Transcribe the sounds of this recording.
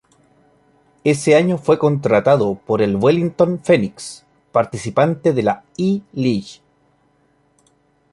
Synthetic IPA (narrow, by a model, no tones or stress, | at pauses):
eseaɲo̞fwe̞ko̞nt̪ɾat̪að̞opoɾe̞lwelint̪o̞nfeniks | paɾt̪isipant̪eðelailiʝ